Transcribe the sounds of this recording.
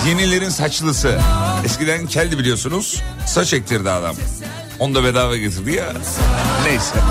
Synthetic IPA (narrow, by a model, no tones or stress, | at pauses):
jenilʲe̞ɾinsat͡ʃlˠɯsɯɛscilʲeɾincʰɛlʲd̪ibilʲijo̞sunuz̥sat͡ʃɛc̚t̪ʰiɾd̪iad̪a̰m | o̞nd̪abed̪aːvɛɟet̪ʰiɾd̪ija | nejisɛ